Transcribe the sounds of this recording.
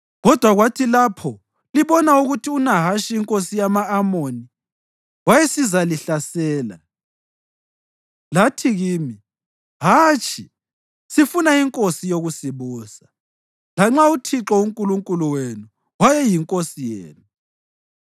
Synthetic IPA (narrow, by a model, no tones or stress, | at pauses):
ɣɔd̥ʱwaɣwatʰilapʰɔ | liβɔnauɣutʰiunaɦaʃiiŋkʼosijamaːmoni | wajɛsizaliɬasɛːla̰ | latʰiɣiːmi | ɦaːt͡ʃʰʼi | sifunaiŋkʼosijoɣusiβuːsḁ | laŋ͡ǁautʰiǁɔuŋkʼuluŋkʼuluwenu | wajɛjiŋkʼosijḛːnu